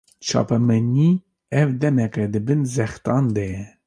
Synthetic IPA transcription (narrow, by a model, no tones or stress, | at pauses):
t͡ʃʰɑ̰ːpɛmɛni | ɛvd̪ɛmɛkɛd̪ɨbɨnzɛxt̪ɑːnd̪ɛjɛ